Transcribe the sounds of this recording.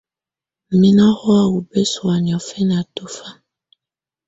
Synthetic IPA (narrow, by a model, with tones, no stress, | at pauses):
mi˦na˦hɔ˦a˨wu˨be˦swa˨ni˨ɔ˨fɛ˦n˨a˨to˦fa˦